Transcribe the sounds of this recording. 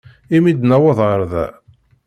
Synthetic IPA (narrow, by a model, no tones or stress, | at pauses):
imid̪næwɑðˤʁəɾˤðæ̰